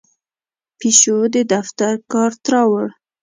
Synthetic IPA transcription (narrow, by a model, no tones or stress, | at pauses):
piʃod̪əd̪aft̪aɾkɑɾt̪ɾɑwəɽ